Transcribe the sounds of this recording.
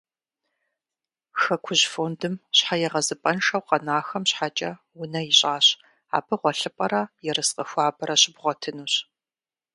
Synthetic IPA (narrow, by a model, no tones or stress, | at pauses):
xɐkʷʰʊʑfoːndɨmɕħajɛʁɐzɨpʼɐnʂɐwqɐnaːxɐmɕħat͡ʃʼɐ | wʊnɐjɪɕʼaːɕ | a̰ːbɨʁʷɔɬɨpʼɐɾɐjɛrɨsqʼɐxʷɑːbɐɾɐɕɪbʁʷɔtʰɨnuːɕ